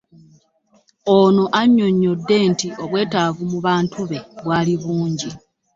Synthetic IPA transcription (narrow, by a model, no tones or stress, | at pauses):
o̞noʔaɲːo̞ɲːo̞dːe̞ntio̞βwe̞ːtavumuβaːntʰuβe̞βwaːliβuːɲɟi